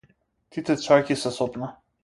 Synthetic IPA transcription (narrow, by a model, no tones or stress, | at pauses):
t̪it̪ɛt͡ʃakʲisɛsɔpna